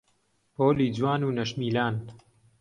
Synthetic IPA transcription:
poːliːd͡zwaːnuːnɐʃmiːlaːn

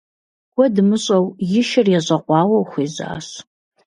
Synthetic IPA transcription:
wɔdɨmɨɕʼɐwjɪʃɪrjɛʑʼɐqʷɑːwɐwxʷiːza̰ːɕ

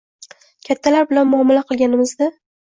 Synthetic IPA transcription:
kʲʰat̪ʰːalaɾbɪlanmʊɒmɪlaqʰɨlˠɡʲanɪmɪzd̪a

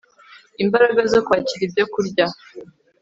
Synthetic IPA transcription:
imbaɾaɡazokwaːciɾibjo̞kuɾɟa

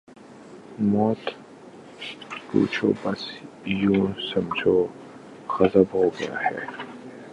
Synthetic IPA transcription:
mɔːt̪ | kṵːt͡ʃʰo̰ːbɐs | jũːsɐmd͡ʒʱoː | xɐzəbhoːɡɐja̰hɛ̰ː

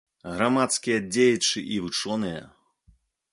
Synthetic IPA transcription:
ɣɾamat̪skʲijɐd͡zʲejit͡ʂɨʔivɨt͡ʂɔnɨjɐ̰

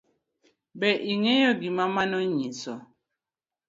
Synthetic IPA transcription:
bɛʔiŋejoɡimamanoɲisɔ

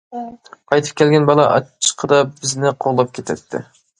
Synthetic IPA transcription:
qʰɑjt̪ʰɨ̥p̚kʲʰɛlɡʲɛnbɑlˠɑʔɑ̰t͡ʃʰːə̥qʰəd̪ɑb̥ɪznɪqʰoʁlˠɑp̚kʲʰet̪ʰɛt̪ʰːɪ̰

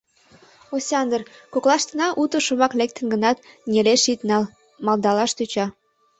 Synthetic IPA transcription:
osʲɑnd̪ərkoklɑʃt̪ənɑʔut̪ə̆ʃomɑklek̚t̪ə̆nɡə̆nɑt̪̚nʲeleʃit̪nɑl | mɑld̪ɑlɑʃt̪yt͡ɕɑ

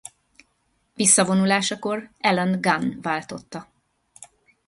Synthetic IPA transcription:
visːɒvo̞nulaːʃɒko̞rɛlɛnɡanvaːlt̪o̞t̪ːɒ

